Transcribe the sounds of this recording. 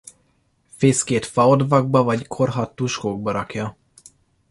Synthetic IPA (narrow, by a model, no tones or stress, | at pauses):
feːskeːt̪fɒod̪vɒɡ̚bɒvɒɟkʰo̞rɦɒt̪ːuʃkoːɡ̚bɒɾɒkjɒ